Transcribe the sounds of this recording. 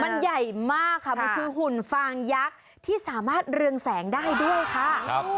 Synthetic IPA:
ma˧nja˨˩jmaː˥˩kʰːa˥˩mɔ˧kʰɯː˧ɦu˨˩nfaː˧ŋja˦˥k̚ | t̪ʰiː˥˩saː˩˦maː˥˩t̪̚ɾɯ˧əŋsɛː˩˦ŋdaː˥˩jdu˥˩əjkʰa˦˥˩

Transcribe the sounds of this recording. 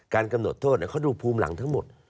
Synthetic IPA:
kaː˧nka˧mno˨˩t̪ʰːoː˥˩t̪̚lɛ˦˥kʰa˥˩duː˧pʰuː˧mla̰˩˦ŋt̪ʰa˦˥ŋmo˨˩t̪̚

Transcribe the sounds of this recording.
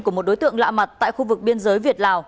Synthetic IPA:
ku˧˩əmo˨˩t̚ɗo˨˦jt̪ɨ̰˧˨əŋla̰ː˧˨ma˨˩t̚t̪a̰ː˧˨jxu˧vɨ˨˩k̚ɓi˧ənzəː˨˦jvi˨˩ət̚laː˨˩w

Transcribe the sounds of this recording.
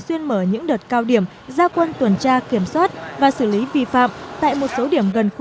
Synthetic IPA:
swi˧ənməː˧˩ɲɨ̰˧˥ŋɗəː˨˩t̚kaː˧wɗi˧˩əm | zaː˧kwə˧nt̪wə˨˩nt͡ɕaː˧ki˧˩əmswaː˦˥t̚vaː˨˩sɨː˧˩li˨˦vi˨˩fa̰ː˧˨mt̪a̰ː˧˨jmo˨˩t̚so˨˦ɗi˧˩əmɣə˨˩n˧

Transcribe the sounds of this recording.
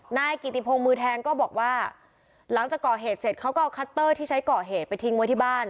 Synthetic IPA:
naː˥˩jki˨˩t̪i˧˩pʰo˧ŋmɯː˧t̪ʰɛː˧ŋkɔː˥˩bɔː˨˩k̚waː˥˩ | la˩˦ŋt͡ɕaː˨˩kːɔː˨˩ɦeː˨˩t̪̚se˨˩t̪̚kʰa˦˥wkɔː˥˩kʰa˦˥t̪ːɤː˥˩t̪ʰiː˥˩t͡ɕʰa˦˥jkɔː˨˩ɦeː˨˩t̪̚pa˧jt̪ʰi˧ŋwjt̪ʰiː˥˩baː˥˩n

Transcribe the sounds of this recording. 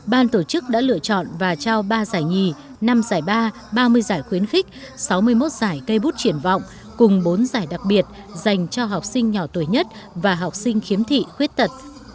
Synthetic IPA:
ɓaː˧nt̪o˧˩t͡ɕɨ˦˥k̚ɗa̰ː˧˥lɨ̰˧ət͡ɕɔ̰˧˨nvaː˨˩t͡ɕaː˧wɓaː˧zaː˧˩jŋi˨˩ | na˧mzaː˧˩jɓaː˧ | ɓaː˧mɨ˧əjzaː˧˩jxwi˨˦ənxi˦˥k̟̚sa˨˦wmɨ˧əjmo˦˥t̚z̥aː˧˩jkə˧jɓu˦˥t̚t͡ɕi˧˩ənvɔ̰˧˨wŋ͡m | kʊ˨˩ŋ͡mɓo˨˦nzaː˧˩jɗa˨˩k̚ɓi˨˩ət̚ | za˨˩jŋ̟t͡ɕɔ˧ɦa˨˩wk͡p̚sï˧ŋ̟ɲɔ˧˩t̪u˧˩əjɲə˦˥t̚ | vaː˨˩ɦa˨˩wk͡p̚sï˧ŋ̟xi˨˦əmt̪ʰḭ˧˨xwi˦˥ət̚t̪ə˨˩t̚

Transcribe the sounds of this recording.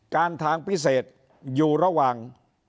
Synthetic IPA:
kaː˧nt̪ʰaː˧ŋpʰi˦˥seː˨˩t̪̚ | juː˨˩ɾa˧waː˨˩ŋ

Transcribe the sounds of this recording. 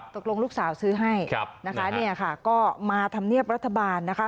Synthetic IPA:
t̪o˨˩k̚lo˧ŋluː˥˩k̚saː˩˦wsɯː˦˥ɦa˥˩jna˦˥kʰa˦˥ni˥˩ɐkʰa˥˩kɔː˥˩maː˧t̪ʰa˧mni˥˩əp̚ɾa˦˥t̪ʰːa˧baː˧nːa˦˥kʰa˦˥

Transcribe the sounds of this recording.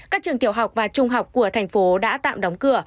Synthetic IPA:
kaː˦˥k̚t͡ɕɨ˨˩əŋt̪i˧˩əwɦa˨˩wk͡p̚vaː˨˩t͡ɕʊ˧ŋ͡mɦa˨˩wk͡p̚ku˧˩ət̪ʰɛ˨˩jŋ̟fo˨˦ɗa̰ː˧˥t̪a̰ː˧˨mɗɔ˨˦wŋ͡mkɨ˧˩ə

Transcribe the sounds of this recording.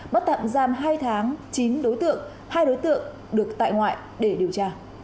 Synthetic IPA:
ɓə˦˥t̚t̪a̰ː˧˨mzaː˨˩mɦaː˧jt̪ʰaː˨˦ŋt͡ɕi˨˦nɗo˨˦jt̪ɨ̰˧˨əŋ | haː˧jɗo˨˦jt̪ɨ̰˧˨əŋ | ɗɨ˨˩ək̚t̪a̰ː˧˨jŋwa̰ː˧˨j | ɗe˧˩ɗi˨˩əwt͡ɕaː˧

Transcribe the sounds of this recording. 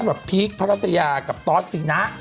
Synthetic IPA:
bɾa˨˩pʰiː˦˥k̚pʰa˦ɾa˦˥t̪̚sʰa˧jaː˧ka˨˩p̚t̪ɔː˦˥t̪̚si˨˩˦na˦˥ʔ

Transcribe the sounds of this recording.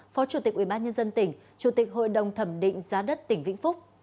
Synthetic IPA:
fɔ˨˦t͡ɕu˧˩t̪i˨˩k̚ʔwi˧˩ɓaː˧nɲə˧nzə˧nt̪ï˧˩ŋ̟ | t͡ɕu˧˩t̪ï˨˩k̚ɦo̰˧˨jɗə˨˩wŋ͡mt̪ʰə˧˩mɗḭ̈˧˨ŋ̟zaː˨˦ɗə˦˥t̚t̪ï˧˩ŋ̟vḭ˧˥ŋfʊ˦˥k͡p̚

